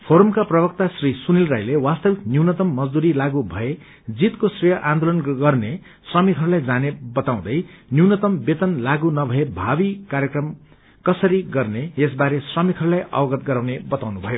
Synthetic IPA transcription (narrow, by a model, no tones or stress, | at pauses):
pʰoɾʌmkaprʌbʌk̚t̪asrisunilrajlewast̪ʌbiknjuwnʌt̪ʌmːʌd͡zd̪uɾilaɡubʱʌe | d͡zit̪kosrijʌʔãnd̪olʌnɡʌrne | sramikʰʌɾlajd͡zanebʌt̪aw̃d̪ʌjnjuwnʌt̪ʌmbet̪ʌnlaɡunʌbʱʌebʱabikaɾjekrʌm | kʌsʌɾiɡʌrneesbaɾesramikʰʌɾulajʔʌ̰pʌɡʌt̪̚ɡʌɾawnebʌt̪awnubʱʌjo